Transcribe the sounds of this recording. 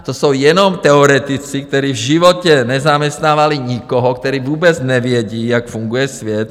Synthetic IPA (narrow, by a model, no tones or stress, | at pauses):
t̪ɔsuːjɛnɔmt̪ɛɔɾɛt̪it͡sik̚t̪ɔɾiːvʒiʋɔcɛnɛzamɛst̪naːʋaliɲikɔɦɔkt̪ɔɾiːʋuːbɛd͡zɲɛʋɪɛɟiːakfuŋɡujɛsʋɪɛt̪